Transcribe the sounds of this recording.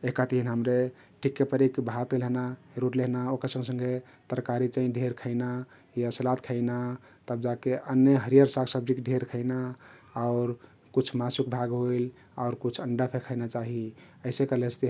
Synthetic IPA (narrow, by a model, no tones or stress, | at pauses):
ekat̪əɦinɦəmɾe | ʈʰikːepəɾekbɦat̪eleɦna | ɾuʈleɦnaokəɾsə̃ŋɡsə̃ŋɡe | t̪əɾkaɾit͡ʃaĩɖʱeɾkʰəɪna | jasəlat̪kʰəɪna | t̪əb̚d͡ʒakeʔənjəɦəɾijəɾsaksəb̚d͡ʒikɖʱeɾkʰəɪna | aʊɾ | kut͡ʃʰmasukbʱaɡɦoil | aʊɾkut͡ʃʰəɳɖəpʰekʰəɪnat͡ʃaɦi | əɪsekəlet͡ʃʰt̪e